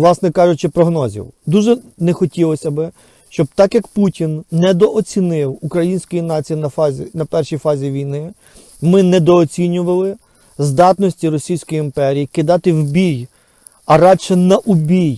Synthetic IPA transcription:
lˠɑsnɛkɑʒʊt͡ʃɪpɾɔɦnɔzʲḭwd̪uʒɛnɛxɔtʲilˠɔsʲɐbɪ | ʃt͡ʃɔb̚t̪ɑkjɐkputʲinːɛd̪ɔʔɔt͡sʲinɪwukɾɐjinʲsʲkɔjinɑt͡sʲijinɐfzʲnɐpɛrʃijfɑzʲiʋʲijnɪ | mɪnɛd̪ɔːt͡sʲinʲʊʋɐlˠɪ | zd̪ɑt̪nɔsʲtʲiɾɔsʲijsʲkɔjiimpɛɾʲijikɪd̪ɑt̪ɪwbʲij | ɐɾɑdʃɛnɐʔʊbʲij

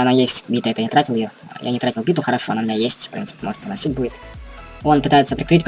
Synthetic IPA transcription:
ɐnajesʲtʲbʲit̪əɛt̪ənʲɪt̪ɾatʲɪlˠjɪjojʔa̰nʲɪt̪ɾatʲɪlˠbʲit̪ʊxəɾɐʂoɐnaʊmʲɪnʲajesʲtʲfpɾʲḭnt̪sɨpʲɪmo̞ʐət̪jənɐsʲitʲbudʲɪt̪ | o̞npɨt̪ajɪt̪səpɾʲɪkɾɨtʲk

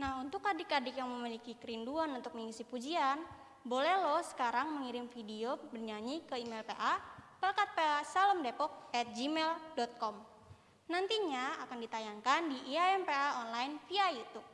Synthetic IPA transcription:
nahunt̪ʊkːadɪkadɪkjaŋməmilikikəɾinduanunt̪ʊk̚məŋikusipud͡ʒian | bolɛhlɔsə̥kaɾaŋməŋiɾɪmfidiobərɲaɲikəimɛlpeʔapəlkat̪̚peasaləmdepɔk̚ɛt̪̚d͡ʒimɛldɔt̪̚kɔm | nant̪iɲaakandit̪ajaŋkandiʔiaɛmpeaɔnlainfiajut̪up̚

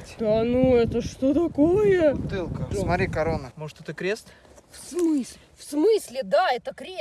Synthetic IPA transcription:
d̪̥anuɛt̪əʂt̪ot̪ɐkojət̪ɨlˠkəmɐɾʲikɐɾonəmoʐɨt̪ɛt̪əkɾʲest̪ | fsmɨsʲ | fsmɨsʲlʲɪd̪aɛt̪əkɾʲe

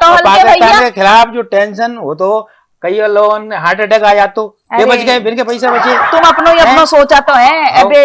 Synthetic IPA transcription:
t̪ɔaːɐãakekʰɪlaːpʰd͡ʒoːʈẽːnʃənʋot̪o | kɐiɐloːnɦaːɾʈeʈɛkaːjaːd̪̚t̪o | jebɐt͡ʃɡəebɪnkepɐɪs̬ebɐt͡ʃet̪ʊmɐpnoiɐpnosoːt͡ʃat̪oɦɛ̃ɛbe

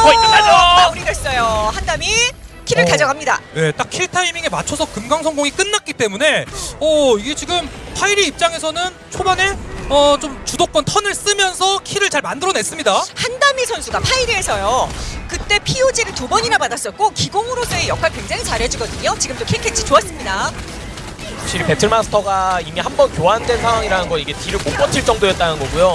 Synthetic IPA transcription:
auɾidwe̞s͈ʌjohandamikʰiɾɯɭkad͡ʑʌɡamɲida̰ne̞t͈ak̚ʰiɭtʰaimiŋemat͡ɕʰʌsʰʌkɯmɡaŋsʰʌŋɡoŋik͈ɯnːat̚k͈it͈e̞mune̞ʌiɡet͡ɕiɡɯmpʰaiɾiːp̚t͡ɕ͈aŋe̞sʰʌnɯn | t͡ɕʰobane̞ʌt͡ɕomt͡ɕudok͈̚ʌntʰʌnɯɭs͈ɯmjʌnsʰʌkʰiɾɯɭt͡ɕaɭmandɯɾʌne̞s͈ɯmɲidahandamisʰʌnsʰuɡapʰaiɾiesʰʌjokɯt͈e̞pʰiud͡ʑiɾɯtubʌɲiɾapadas͈ʌt̚k͈okiɡoŋɯɾos͈ʰʌejʌkʰaɭkwe̞ŋd͡ʑaŋit͡ɕaɾɦe̞d͡ʑuɡʌdɯɲot͡ɕiɡɯmt͈okʰekʰet͡ɕ͈ʰit͡ɕoas͈ɯmɲida | sʰakɕʰiɾipe̞tʰɯɭmasʰɯ̥tʰʌɡaimiɦambʌnkjoandwe̞nsʰaŋɦwaŋiɾanɯnɡʌniɡe̞tiɾɯɭmop͈ʌtʰiɭt͡ɕ͈ʌŋdoet̚t͈anɯnɡʌɡujo

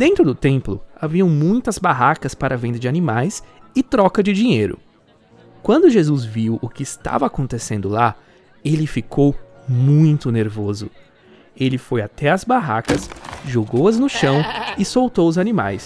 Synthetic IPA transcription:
d̪̥ẽnt̪ɾʊd̪ʊt̪ẽmplʊ̰aviɐ̃w̃mũj̃t̪ɐzbaɦakɐspaɾʔɐvẽnd̪ɐd͡ʒɪanimajsɪt̪ɾɔkɐd͡ʒɪd͡ʒĩɲejɾʊ̰ | kwɐ̃nd̪ʊʒezuzviwʊkɪːst̪a̰vɐːkõnt̪esẽnd̪ʊla | elɪfikʰow | mũj̃t̪ʊneɾvozʊ | elɪfojat̪ɛɐzbaɦa̰kɐsʒoɡowɐznʊʃɐ̃w̃ɪsowt̪owʊzanima̰js

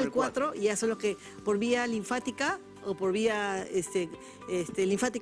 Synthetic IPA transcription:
elkwat̪ɾoiasonloske | po̞ɾβialiɱfat̪ika | opo̞ɾβiaest̪e | est̪eliɱfat̪i

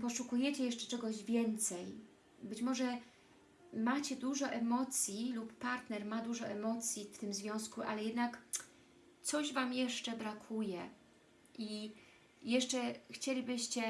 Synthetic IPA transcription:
pɔʂukujɛt͡ɕɛjɛʂt͡ʂɛ̥t͡ʂɛɡɔʑvʲjɛnt̪sɛj | bɘt͡ɕmɔʐɛ | mat͡ɕɛd̪uʐɔʔɛmɔt̪sʲjilupːaɾt̪nɛɾmad̪uʐɔʔɛmɔt̪sʲjift̪ɘmzvʲjɔ̃w̃skuʔalɛjɛd̪nak | t̪sɔʑvamjɛʂt͡ʂɛbɾakʰujɛ | ʔi | jɛʂt͡ʂɛxt͡ɕelʲibɘɕt͡ɕɛ

